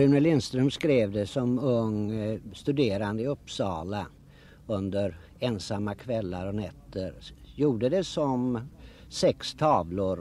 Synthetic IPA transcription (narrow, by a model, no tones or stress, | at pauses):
ɵnəlɪnst̪ɾœmskɾeːvd̪ɛsɔmɵŋst̪ɵd̪eːɾand̪əɵpːsɑːla | ɵnd̪əɾ | ɛnsamːakʰvɛlːaɾɔnɛt̪ʰːəɾjuːɖəd̪ɛsɔm | sɛkst̪ʰɑːvlʊɾ